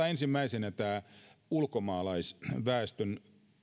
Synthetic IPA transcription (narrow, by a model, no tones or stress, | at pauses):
ɑensimːæisenæt̪æːulkomɑːlɑisʋæːst̪øn